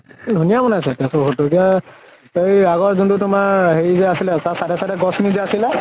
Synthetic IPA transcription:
dʱunijamɔnasɛtɛsɔɦotokia | ejaɡɔɹzuntʊtʊmaɹɦeɹizɛasilɛsasadɛsadɛɡɔsnizɛasilɛ

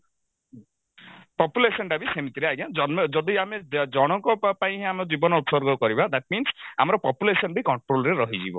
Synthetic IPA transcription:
pɔpjulesɔnɖabisemit̪iɾeajɡãd͡ʒɔnmd͡ʒɔd̪iamed͡ʒɔɽ̃ɔŋkɔpaĩɦẽameɔd͡ʒibɔnɔup̪sɔɾɡɔkɔɾibad̪aʈ̚minsa̰mɔɾɔpɔpjulesɔnbʱikɔɳʈɾolɔɾeɾɔɦid͡ʒibɔ̰

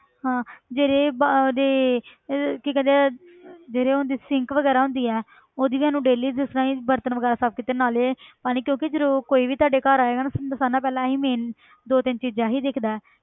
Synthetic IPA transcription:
ɦãːd͡ʒeːɾeːbd̪eː | kikɛ̃nd̪e | d͡ʒeːɾeːond̪iːsɪŋkʋəɡɛːɾaːɦʊ̃nd̪iːɛː | oːd̪iːʋiːaːnũːɖeːliːd̪ʊːsɾãːiːbəɾt̪ənʋəɡɛːɾaːsaːb̚kɪt̪ənaːleːpaːnikjõːkɪd͡ʒəɾuːɾkoːiːʋiːt̪waːɖeːkaːɾaːeːɡaːnasanãːpɛːlãːɦiːmeːn | d̪oːt̪ɪnt͡ʃiːd͡ʒãːɦiːd̪ɪkʰd̪aːɛː

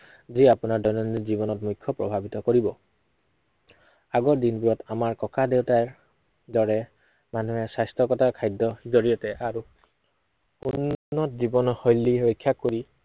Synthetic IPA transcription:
ziapunaɹdɔjnɔnizibɔnɔtmujkʰːɔpɹɔ̰bʱabitɔkoɹibɔ | aɡɔdinbuɹɔtamaɹkɔkadewtaɹ | dɔɹɛ | manuɦɛsajstʰɔkɔtakʰajdɔhizɔɹijɔtɛʔaɹu | unːnɔtzibɔnhojlːiɹojkʰːjakoɹi

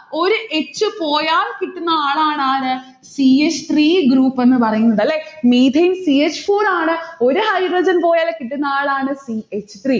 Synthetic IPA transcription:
o̞ɾuʔet͡ɕːɨpo̞ːjaːlkiʈːunːɐaːɭaːɳaːnɨ | siːet͡ɕːɨ̥t̪riːɡɾuːpːe̞nːɨpɐrɐjunːuðɐlːeːmiːd̪ʱɐjnsiːet͡ɕːɨ̥foːraːɳɨo̞ɾuhɐjɖrɐd͡ʑɐnpo̞ːjaːlekːiʈːunːɐaːɭaːɳɨsiet͡ɕːɨ̥t̪riː

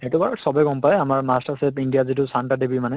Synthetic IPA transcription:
ɛtubaɹɔsɔbaɡɔmpajamaɹmastaɹsepindijazitʊsantadebimanɛ

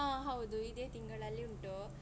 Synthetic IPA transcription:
ãːɦɐʋd̪uid̪eːt̪iŋɡɐɭɐlːiuɳʈu

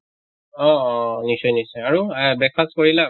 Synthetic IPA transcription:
ɔɔnisɔjnisɔjaɹubɛkʰaskoɹila

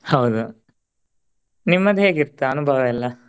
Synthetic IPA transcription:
hɐwd̪u | nimːɐd̪ɦeːɡiɾt̪ːɐɐnubʱɐʋɐilːɐ

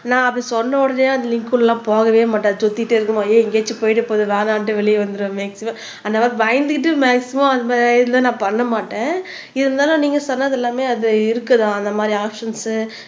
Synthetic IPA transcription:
nãːɐpːɐɽisɔnːɐʊɽɐneaːɐnd̪ɐlɪŋkːʊlɛlːãːpoːɣɐʋeːmɐʈːɐ̃ɐðɯsɔt̪ːɪɪʈːɯɪɾɯkːɯmaːjeɪŋɡeːt͡ʃːɯpoːjɪʈ̬ːɯpoːðɯʋeːnaːnʈ̬ːɯʋɛɭɪjɐʋɐnd̪ɯɾɯmːeːksɪmɐ̃m | ɐnd̪ɐʋaːɾbɐjɐnd̪ɯkɪʈ̬ːɯmeːksɪmɐmɐnðɐmaːdɾðɐnd̪ãːnãːpɐɳːɐmaːʈːẽː | ɪðɐnd̪aːlʊ̃niːŋɡɐsɔnːɐðɛlːaːmeːɐðɯɪɾɯkːɐðãːɐnd̪ɐmaːd̪ɾiaːpʂɐnsɯ

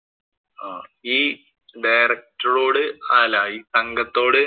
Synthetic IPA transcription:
aːiː | ɖɐjrɐk̚ʈɐro̞ːɽɨaːlaiːsɐŋɡɐt̪ːo̞ːɽɨ

